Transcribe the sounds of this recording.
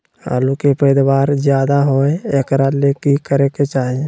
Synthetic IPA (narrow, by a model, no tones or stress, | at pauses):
ha̰ːlukepɛːd̪waːɾzjaːd̪aɦoeekɾalekikəɾeket͡ʃaːɦie